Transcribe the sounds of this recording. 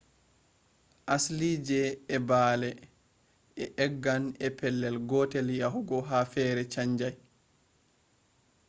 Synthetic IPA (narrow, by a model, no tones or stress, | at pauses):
ʔaslid͡ʒɛːbaːlɛ | ɛʔɛɡːanɛpɛlːɛlɡɔtelijahuɡɔɦafɛːɾɛt͡ʃaɲd͡ʒaj